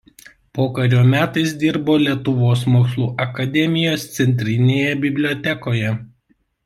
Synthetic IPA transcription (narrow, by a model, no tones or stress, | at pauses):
poːkɐɾʲoːmʲæːt̪ɐɪsd̪ʲɪɾboːlʲiɛt̪ʊʋoːsmoːkslˠuːʔɐkɐd̪ʲɛmʲɪjoːst̪sʲɛnʲt̪ʲɾʲɪnʲeːjɛbʲɪbʲlʲoːt̪ʲɛkoːjɛ